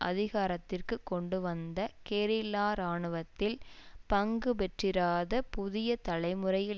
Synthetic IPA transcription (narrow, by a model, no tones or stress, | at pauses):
ʔɐ̰ðɪɣaːɾɐt̪ːɪrkɯkːɔɳɖɯʋɐnd̪ɐkeːɾɪlaːɾaːɳɯʋɐt̪ːɪlpɐŋɡɯpɛʈrɪɾaːðɐpʊðɪjɐt̪ɐlɐɪmɯrɐjɪ